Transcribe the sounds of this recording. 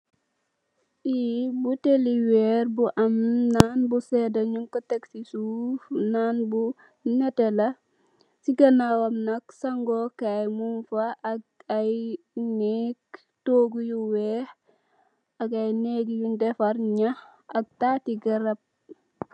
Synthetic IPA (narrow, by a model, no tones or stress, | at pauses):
ʔibuteliweɾbuʔɐmnanbusedɐɲuŋkoteksisufnanbu | netelɐ | siɡɐnawamnɐksaŋɡokajmunfaːɡ̚aj | nek | toːɡujuweh | ɐɡɐjneɡjundefaɾɲah | ɐɡ̚tatiɡɐɾɐb̚